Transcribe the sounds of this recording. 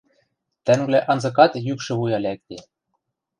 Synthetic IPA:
t̪æŋblæʔɑnzɤ̆k̬ɑt̪jykʃɘ̆βujɑlʲæk̚t̪e

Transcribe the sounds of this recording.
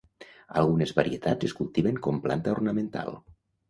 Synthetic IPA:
a̰lˠɣunezβaɾiet̪azeskulˠt̪iβeŋkɔmpla̰nt̪aornəmẽnt̪a̰lˠ

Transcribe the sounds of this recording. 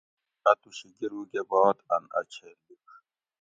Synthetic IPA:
ɐt̪uɕiɡiɾuɡebaːt̪ɐ̰nɐ̰t͡ɕʰeluk

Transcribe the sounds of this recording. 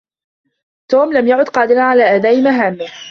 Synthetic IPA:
t̪oːmlamjaʕʊd̪qɑːd̪ɪɾanʕalaːʔad̪aːʔɪmaɦaːmːɪ

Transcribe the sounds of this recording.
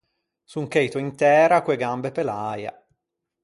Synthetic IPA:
suŋkejt̪oint̪ɛːɾakweɡambepelaːja̰

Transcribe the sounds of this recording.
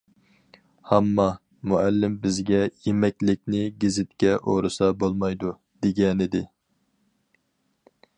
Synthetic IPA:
hɛmːɑ | muælːɪmbɪzɡʲɛjemɛkʲlɪkʲnɪɡʲɪzɪt̪kʲɛʔoɾɨsɑbolˠmɑjd̪u | d̪̥eɡʲɛnɪd̪ɪ

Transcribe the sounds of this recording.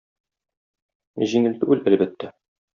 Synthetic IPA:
ʑiŋɘ̆lt̪ɘʉlælbæt̪ːæ

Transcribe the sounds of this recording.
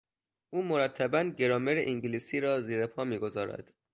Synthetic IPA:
ʔuːmoɾæt̪ʰːæbænɟe̞ɾɒːmeɾeʔiŋɟliːsiːɾɒːziːɾepʰɒːmiːɡo̞zɒːɾæ̰d̪̥

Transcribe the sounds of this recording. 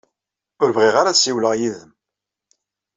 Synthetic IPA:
ʊɾvʁiʁaɾasiwləʁjiðəm

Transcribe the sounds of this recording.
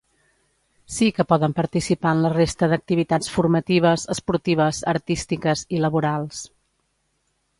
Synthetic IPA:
sikəpɔðəmpəɾt̪isipaənlərest̪əðək̚t̪iβit̪at͡sfuɾmət̪iβ̞əzəspuɾt̪iβ̞əzəɾt̪ist̪ikəziləβuɾalˠs

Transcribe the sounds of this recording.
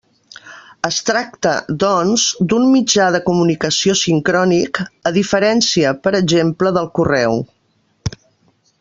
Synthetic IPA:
əst̪ɾak̚t̪ə̰ðɔnzd̪unmid͡ʒað̞əkumunikəsiosiŋkɾɔnikəðifəɾɛnsiəpəɾəʒempləðəlˠkurɛw

